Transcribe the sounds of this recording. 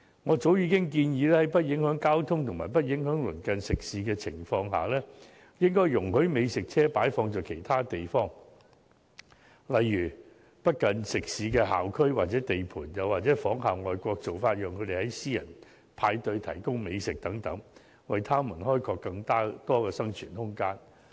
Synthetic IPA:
ŋɔː˨˧t͡so˨˥wjiː˨˧kɪ˥ŋk̬iː˧njiː˨˧lɛː˥hɐ˨˥jpɐ˥t̚jɪ˨˥ŋhœː˨˥ŋkaː˥wt̪ʰʊ˥ŋt̪ʰʊ˨ŋmaː˨˩jp̬ɐ˥t̚jɪ˨˥ŋhœː˨˥ŋlɵ˨˩nkɐ˨nsɪ˨k̚siː˨˧kɛː˧t͡sʰɪ˨˩ŋfɔː˧ŋɦa̰ː˨˩lɛː˥ | jɪ˥ŋkɔː˥jjʊ˨˩ŋhɵ˨˥ɥme˨˧jsɪ˨k̚t͡sʰɛː˥paː˨˥jfɔː˧ŋt͡sɔː˨kʰe˨˩jt̪ʰaː˥t̪e˨jfɔː˥ŋ | lɐ˨jːyː˨˩ | pɐ˥t̚kɐ˨nsɪ˨k̚siː˨˧kɛː˧ɦa̰ː˨˩wkʰɵ˥ɥwaː˨t̚t͡sɛː˨˥t̪e˨jpʰuː˨˩njɐ˨˧waː˨t̚t͡sɛː˨˥fɔː˨˥ŋɦaː˨˩wŋɔː˨jkʷɔː˧k̚t͡so˨wfaː˧t̚jœː˨˩ŋkʰɵ˨˧t̪e˨jhɐ˨˥jsiː˥jɐ˨˩n | pʰaː˧jt̪ɵ˧ɥt̪ʰɐ̰˨˩jkʊ˥ŋme˨˧jsɪ˨k̚t̪ɐ˨˥ŋt̪ɐ˨˥ŋ | wɐ˨jt̪ʰaː˥mɐ˨˩nɦɔː˥jkʰɔː˧kːɐ˧ŋt̪aː˥t̪ɔː˥kɛː˧sɐ˥ŋt͡ʃʰyː˨˩nhʊ˥ŋkaː˥n

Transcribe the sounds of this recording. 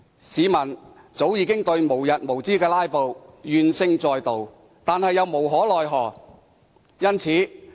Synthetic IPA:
siː˨˧mɐ˨˩n | t͡so˨˥wjiː˨˧kɪ˥ŋt̪ɵ˧ɥmo˨˩wjɐ˨t̚mo˨˩wt͡siː˥kɛː˧laː˥jpo˨wjyː˨˧nsɪ˧ŋt͡sɔː˨˧jt̪o˨w | t̪aː˨nhɐ˨jːɐ˨˧wmo˨˩wɦɔː˨˥lɔː˨jɦɔː˨˩ | jɐ˥nt͡sʰiː˨˥

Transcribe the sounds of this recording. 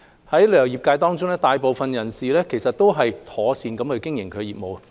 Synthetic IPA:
hɐ˨˥jlœː˨˩ŋjiː˨p̚kaː˧jt̪ɔː˥ŋt͡sʊ˥ŋlɛː˥t̪aː˨jpo˨˧wfɐ˨njɐ˨˩nsiː˨lɛː˥kʰe˨˩jsɐ˨t̚t̪o˥wɦɐ˨jt̪ʰɔː˨˥siː˨˧nkɐ˨˥mkʰɵ˨˧ɥkɪ˥ŋjɪ˨˩ŋkʰɵ˨˧jiː˨p̚mo˨w

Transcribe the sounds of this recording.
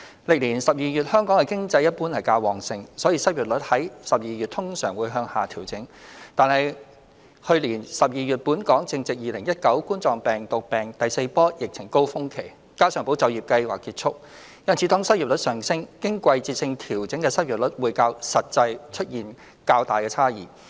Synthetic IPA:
lɪ˨k̚liː˨˩nsɐ˨p̚jiː˨˧jyː˨t̚hœː˥ŋkɔː˨˥ŋkɛ˧kɪ˥ŋt͡sɐ˧jɐ˥t̚puː˥nhɐ˨˩jkaː˧wɔː˨ŋsɪ˧ŋsɔː˨˥jiː˧sɐ˥t̚ɥyː˨t̚lɵ˨˥t̚hɐ˨˥jsɐ˨p̚jiː˨jyː˨t̚t̪ʰʊ˥ŋsœ̰ː˨˩ŋwuː˨˧jɦœː˧ŋhaː˨˩t̪ʰiː˨˩wt͡sɪ˨˥ŋt̪aː˨˩nɦɐ˨j | hɵ˧liː˨˩nsɐ˨p̚jiː˨jyː˨˩t̚puː˨˥nkɔː˨˥ŋt͡sɪ˧ŋt͡sɪ˨k̚jiː˨˩lɪ˨˩ŋjɐ˥t̚kɐ˨˥wkuː˥nt͡sɔː˨˩ŋpɛː˨ŋt̪ʊ˨k̚pɛː˨ŋt̪ɐ˨jse˧jpɔː˥jɪ˨k̚t͡sʰɪ˨˩ŋko˥wfʊ˥ŋkʰe˨˩j | kaː˥sœː˨˩ŋpo˨˥wt͡sɐ˧wjiː˨˩p̚kɐ˧jwaː˨kːiː˧t̚t͡sʰʊ˥k̚ | jɐ˥nt͡sʰi˨˧t̪ɔː˥ŋsɐ˥t̚ji˨p̚lɵ˨˥t̚sœː˨ŋsɪ˥ŋkɪ˥ŋkʷɐ˧jt͡siː˧t̚sɪ˧ŋt̪ʰiː˨˩wt͡sɪ˨˥ŋkɛː˧sɐ˥t̚ɥy˨t̚lʊ˨˥t̚wuː˨˧jkaː˧wsɐ˨t̚t͡sɐ˧jt͡ʃʰɵ˥t̚jiː˨n | kaː˧wt̪aː˨˩jkɛː˧t͡sʰaː˥jḭː˨˩

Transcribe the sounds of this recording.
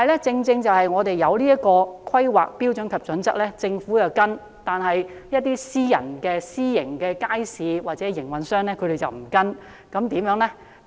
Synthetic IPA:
hɐ˨jlɛ˥t͡sɪ˧ŋt͡sɪ˧ŋt͡sɐ˨whɐ˨jŋɔː˨˧t̪e˨jːɐ˨˧wliː˥ɐ˥tkɔː˧kʰɐ˥jwa̰ː˨k̚piː˥wt͡ʃɵ˨˥nkʰɐ˨p̚t͡sɵ˨˥nt͡sɐ˥k̚lɛː˥t͡sɪ˧ŋfuː˨˥jɐ˨wkɐ˥n | t̪aː˨nɦɐ˨jjɐ˥t̚t̪ːiː˥siː˥jɐ̰˨˩nkɛː˧siː˥jɪ˨˩ŋkɛː˧kaː˥jsiː˨˧waː˨t̚t͡sɛː˨˥jɪ˨˩ŋwɐ˨nsœː˥ŋnɛ˥kʰɵ˨˧ɾe˨jt͡sɐ̰˨wm̩˨˩kɐ˥n | kɐ˨˥mt̪iː˨˥mjœː˨˥ŋlɛ˥

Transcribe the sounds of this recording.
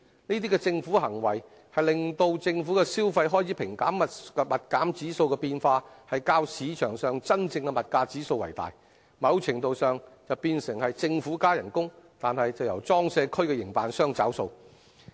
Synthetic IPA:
niː˥t̪̬iː˥kɛ˧t͡sɪ˧ŋfuː˨˥ɦɐ˨˩ŋwɐ˨˩j | hɐ˨jlɪ˨ŋt̪o˧wt͡sɪ˧ŋfu˨˥kɛ˧siː˥wfɐ˧jɦɔː˥jt͡sʰiː˨˥pʰɪ˨˩ŋkaː˨˥mːɐ˨kmɐ˨t̚kaː˨˥mt͡siː˨˥so˧wkɛ˧piː˧nfaː˧hɐ˨jkaː˧wsiː˨˥t͡ʃʰœː˨˩ŋsœː˨˩ŋt͡sɐ˥nt͡sɪ˧ŋkɛ˧mɐ˨t̚kaː˧t͡siː˨˥so˧wɐ̰˨˩jt̪a̰ː˨j | mɐ˨˧wt͡sʰɪ˨˩ŋt̪o˨wsœː˨˧ŋt͡sɐ˨˧wpiː˧nsɪ˨˩ŋhɐ˨jt͡sɪ˧ŋfu˨˥kaː˥jɐ˨˩nkʊ˥ŋt̪aː˨nhɐ˨jt͡sɐ˨wjɐ˨˩wt͡sɔː˥ŋsɛː˧kʰɵ˥ɥkɛ˧jɪ˨˩ŋpaː˨nsœː˥ŋt͡sɐ̰˨˥wso˧w

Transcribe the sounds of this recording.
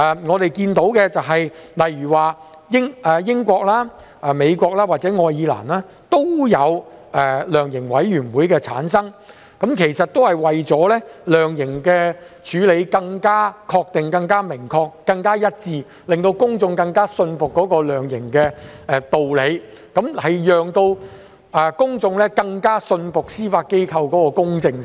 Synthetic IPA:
ɛ˨ŋɔː˨˧t̪e˨jkiː˧nt̪o˨˥wkɛ˧t͡sɐ˨wɦɐ˨jlɐ˨jɥyː˨˩waː˨˩ | jɪ˥ŋʔɛː˨jɪ˥ŋkʷɔː˧k̚laː˥ | ʔɛ˨me˨˧jkʷɔː˧k̚laː˥waː˨t̚t͡sɛ˨˥ŋɔː˧jiː˨˧la̰ː˨˩nlaː˥ | t̪o˥wjɐ˨˧wɛː˨˩lœː˨˩ŋjɪ˨˩ŋwɐ˨˥jjyː˨˩nwuː˨˥jkɛː˧t͡sʰa̰ː˨˥nsɐ˥ŋ | kɐ˨˥mkʰe˨˩jsɐ˨t̚t̪o˥whɐ˨jwɐ˨jt͡sɔː˨˥lɛ˥lœː˨ŋjɪ˨˩ŋkɛː˧ | t͡ʃʰyː˨˧le˨˧jkɐ˧ŋkaː˥kʰɔː˧k̚t̪ɪ˨ŋkɐ˧ŋkaː˥mɪ˨˩ŋkʰɔː˧kːɐ˧ŋkaː˥jɐ˥t̚t͡siː˧ | lɪ˨˩ŋt̪o˧wkʊ˥ŋt͡sʊ˧ŋkɐ˧ŋkaː˥sɵ˧nfʊ˨kːɔː˨˥kɔː˧lœː˨ŋjɪ˨˩ŋkɛː˧ɛ˨˧t̪o˨wle˨˧j | kɐ˨˥mhɐ˨jjœː˨ŋt̪o˧w | ʔɛ˨kʊ˥ŋt͡sʊ˧ŋlɛː˥kɐ˧ŋkaː˥sɵ˧nfʊ˨k̚siː˥faː˧t̚ke˥jkʰɐ˧wkɔː˨˥kɔː˧kʊ˥ŋt͡sɪ˧ŋ

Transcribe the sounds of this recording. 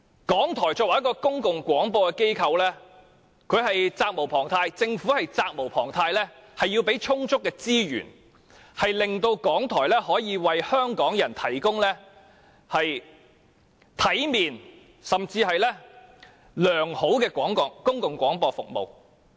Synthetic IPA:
kɔː˨˥ŋt̪ʰɔː˨˩jt͡sɔː˧k̚wa˨jkɔː˧kʊ˥ŋkʊ˨ŋkʷwɔː˨˥ŋpɔː˧kɛː˧ke˥jkʰɐ˧wlɛː˥ | kʰɵ˨˧ɥɦɐ˨jt͡saː˧k̚mo˨˩wpʰɔː˨˩ŋt̪ʰaː˧jt͡sɪ˧ŋfuː˨˥hɐ˨jt͡saː˧k̚mo˨˩wpʰɔː˨˩ŋt̪ʰaː˧jlɛː˥ | hɐ˨jːiː˧wpe˨˥jt͡ʃʰʊ˥ŋt͡sʊ˥kːɛː˧t͡siː˥jy̰ː˨˩n | hɐ˨jlɪ˨ŋt̪o˧wkɔː˨˥ŋt̪ʰɔː˨˩jlɛː˥hɔː˨˥jiː˨˧wɐ˨jhœː˥ŋkɔː˨˥ŋjɐ˨˩nt̪ʰɐ˨˩jkʊ˥ŋlɛː˥ | hɐ˨j | t̪ʰɐ˨˥jmiː˨n | sɐ˨˩mt͡siː˧ɦɐ˨jlɛː˥ | lœː˨˩ŋho˨˥wkɛː˧kʷɔː˨˥ŋkɔ˨kʊ˥ŋkʊ˨˩ŋkʷɔː˨˥ŋpɔː˧fʊ̰˨k̚mo̰˨w

